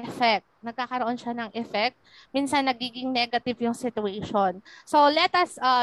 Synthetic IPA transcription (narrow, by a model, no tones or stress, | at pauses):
ʔɛfɛk̚t̪̚nɐɡ̚kːaːkɐɾoʔo̞nʃanɐŋʔɛfɛk̚t̪̚ | miːnsɐnːɐɡiːɡɪŋnɛɡɐt̪ɪvjʊŋsɪt̪ʊeːʃonsolɛt̪ɐsʔɐ